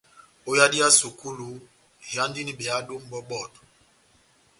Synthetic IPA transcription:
o˦ja˦di˦a˦su˨ku˦lu˨˦ | ja˦ndi˦ni˦bɛ˨a˦ɗo˦m̩˦bɔ˦ɓɔ˦˨t

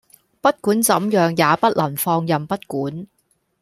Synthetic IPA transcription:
pɐ˥t̚kuː˨˥nt͡sɐ˨˥mjœː˨˧ŋjaː˨˧pɐ˥t̚lʔɐ˨˩nfɔː˧ŋjɐ˨mpɐ˥t̚kuː˨˥n

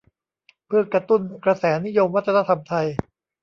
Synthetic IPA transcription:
pʰɯ˥˩ɐkɾa˧t̪u˥˩nkɾa˧sɛː˩˦ni˦˥jo˧mwa˦˥t̪ʰːa˧na˧t̪ʰa˧mt̪ʰa˧j

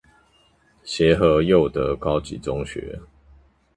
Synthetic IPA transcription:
ɕjɛ˨˦xə˧˦jo˥˨ʊd̪ə˨kɑ˥˦ʊt͡ɕḭ˨˦t͡sʊ˦ŋɕɥɛ̰˧˦

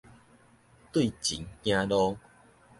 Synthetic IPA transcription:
t̪wi˥˨t͡ɕḭ˨˦ŋkj̃ã˦lɔ˦

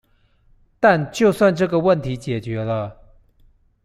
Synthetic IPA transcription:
t̪a˥˨nt͡ɕjo˥˧ʊswa˥˧nʈ͡ʂɤ˥˩ɡə˨wə˥˩nt̪ʰi˧˥t͡ɕjɛ˨˩t͡ɕɥɛ˨˧˥lə˦

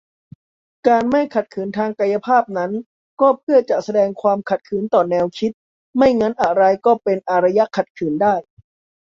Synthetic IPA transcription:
kaː˧nma˥˩jkʰa˨˩t̪̚kʰɯː˩˦nt̪ʰaː˧ŋka˧ja˧pʰaː˥˩p̚na˦˥n | kɔː˥˩pʰɯ˥˩ɐt͡ɕa˨˩ʔsa˧dɛː˧ŋkʰwaː˧mkʰa˨˩t̪̚kʰɯː˩˦nt̪ɔː˨˩nɛː˧wkʰi˦˥t̪̚ | ma˥˩jŋa˦˥nʔa˨˩ɾa˧jkɔː˥˩pe˧nʔa˧ɾa˧ja˦˥kʰa˨˩t̪̚kʰɯː˩˦ndaː˥˩j

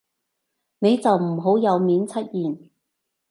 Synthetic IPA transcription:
ne˨˧jt͡sɐ˨wm̩˨˩ɦo˨˥wjɐ˨˧wmiː˨˥nt͡sʰɐ˥t̚jiː˨n

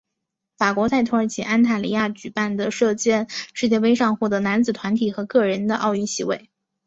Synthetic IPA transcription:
fa˨˩kwɔ˧˥t͡sʰa˥˩ɪt̪ʰu˧˥ə˞˧˥t͡ɕʰi˧˥˩ʔa˥nt̪ʰa˥˩li˧˥ja˥˩t͡ɕy˨˩pa˥˩nd̪ə˩ʂɤ˥˧t͡ɕjɛ˥˧nʂɻ̩˥˧t͡ɕjɛ˥˧we˥ɪʂɑ˥˧ŋxu˥˩d̪ə˩na˧˥nt͡sɹ̩˨˩t̪ʰwa˧˥nt̪ʰi˨˩xɤ˧˥kɤ˥˩ɻə˧˥nd̪ə˧ʔɑ˥˧ʊy˥˩nɕi˧˥we˥˩ɪ

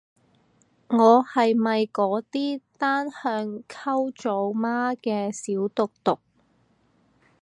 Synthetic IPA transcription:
ŋɔː˨˧hɐ˨jmɐ˨jkɔː˨˥t̪iː˥t̪aː˥nhœː˧ŋkʰɐ˥wt͡so˨˧wmaː˥kɛː˧siː˨˥wt̪ʊ˨k̚t̪ʊ˨k̚

